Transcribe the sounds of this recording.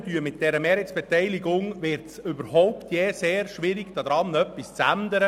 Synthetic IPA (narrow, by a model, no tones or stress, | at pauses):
dyəmɪt̚d̥ɛɾəmeːɾhɛtsb̥ɛtɛɪlɪɡʊŋʋɪɾtsʏbəɾɦɔʊpt̪ʰjeːseːɾʃʋɪɾɪɡd̥ɑd̥̪ɾɑnœpːist͡sænd̪əɾə